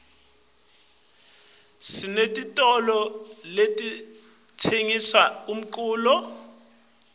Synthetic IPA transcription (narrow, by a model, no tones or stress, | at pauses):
sinetʼitʼɔlɔletʼi | tʰeŋiswaum̩ǃʼuːlɔ